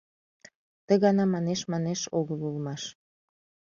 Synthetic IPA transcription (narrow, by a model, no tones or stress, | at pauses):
t̪əɣɑnɑmɑneʃmɑneʃoɣəlulmɑʃ